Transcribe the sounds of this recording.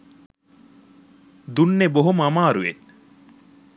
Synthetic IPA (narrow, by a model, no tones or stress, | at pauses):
d̪unːeboɦomamaːɾuʋet̚